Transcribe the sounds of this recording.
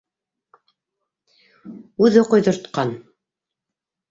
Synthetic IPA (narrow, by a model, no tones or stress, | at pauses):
ʉðɘqŏjðŏɾt̪qɑn